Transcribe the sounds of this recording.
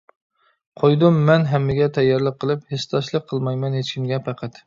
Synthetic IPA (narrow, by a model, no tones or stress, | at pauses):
qʰojd̪ʊmːɛnɦɛmːɪɡʲɛt̪ʰɛjːɑɾlˠəqʰːəlˠɨphest̪ʰɑʃlˠəqʰːəlˠmɑjmɛnɦet͡ʃkʲʰimɡʲɛpæqʰæt̪